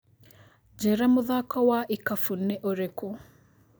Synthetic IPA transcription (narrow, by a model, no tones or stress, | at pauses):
d͡ʒɛɾamʊðakɔwaʔikafunːɛʔoɾeko